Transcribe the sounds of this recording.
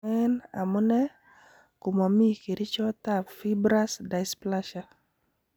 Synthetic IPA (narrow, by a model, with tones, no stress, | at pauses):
ɛ˦na̰˨mu˦nɛ˦ | kʊ˨ma˨mi˦ke˨ɾi˦t͡ʃɔ˦t̪afi˦bɾa˦sda˨jsplaʃa